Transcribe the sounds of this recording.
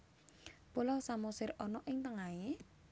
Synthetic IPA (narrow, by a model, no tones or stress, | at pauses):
pulɔwsamɔsɪrɔnɔʔɪŋt̪əŋae